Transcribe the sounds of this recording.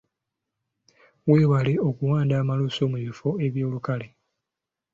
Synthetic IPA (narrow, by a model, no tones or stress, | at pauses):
weːβale̞o̞kuwaːndaːmaluso̞ːmuβifo̞e̞βjo̞ːlukale